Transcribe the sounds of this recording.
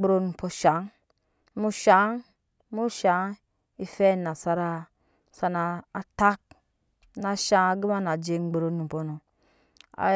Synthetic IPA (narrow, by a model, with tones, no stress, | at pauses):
ɾo˧nu˨po˧ʃa˨˦ŋ˦ | mu˦ʃa˨˦ŋ | mu˦ʃa˨˦ | i˨fɛ˦na˨sa˧ɾa˧ | sa˧naː˨˦ta˦k̚ | na˧ʃa˧˦˧ɡi˦ma˦na˨d͡ʒe˧ŋ͡mɡ͡bo˨ɾo˨˧nu˨po˨no˨ | a̰˨